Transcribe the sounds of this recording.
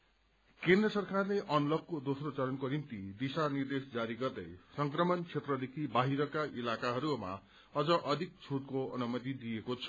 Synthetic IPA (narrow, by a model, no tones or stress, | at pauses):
kend̪rʌsʌrkarleʔʌnlʌb̚kod̪osrot͡sʌɾʌnkonimt̪id̪isanird̪esd͡zaɾiɡʌrd̪ʌ̰jsʌŋkrʌmʌnt͡sʰet̪rʌd̪ekʰibaɦiɾʌkaʔilakaɦʌɾuma̰ | ʌd͡zʌʔʌd̪ʱik̚t͡sʰuʈ̚koʌ̰numʌt̪̬id̪iekot͡sʰʌ